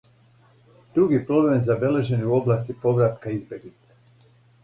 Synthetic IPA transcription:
d̪̥ɾuɡipɾo̞blemzabe̞le̞ʒenuuo̞blˠaːst̪ipo̞ʋɾat̪kaizbʲje̞ɡlit̪se̥

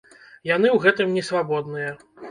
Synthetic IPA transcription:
jan̪ɨwɣɛt̪ɨmnʲɛsvabɔd̪̚nɨjɐ

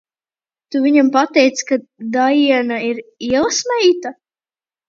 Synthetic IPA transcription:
t̪uviɲampat̪ɛjt̪skad̪ajiɛnaiɾiɛlˠsmɛjt̪a

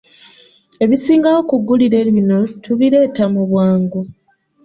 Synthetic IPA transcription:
e̞βisiːŋɡawo̞kuɡuliɾe̞ːβino̞tuβiɾe̞ːtamuβwaːŋɡu

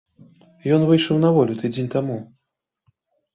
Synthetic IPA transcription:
jɔnvɨjʂɐwnɐvɔlʲut̪ɨd͡zʲenʲt̪amu

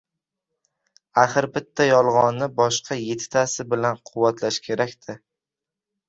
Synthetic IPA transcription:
aχɨɾbɪt̪ʰːajɒlˠʁɒnːɪbɒʃqʰɑje̞t̪ʰɪ̥t̪ʰasɪbɪlanqʰʊwːat̪ʰlaʃkʲʰe̞ɾakʲt̪ʰɪ

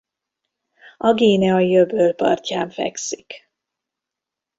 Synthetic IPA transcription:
ɒɡeːnɛɒjøbølpɒ̰rcaːɱfɛ̰ksik

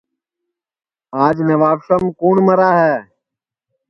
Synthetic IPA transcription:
aːd͡ʒnəʋaːʋʃəmkoːɳməɾaːɦɛː

